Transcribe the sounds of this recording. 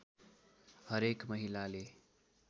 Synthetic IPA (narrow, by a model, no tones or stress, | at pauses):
hʌɾekmʌɦilale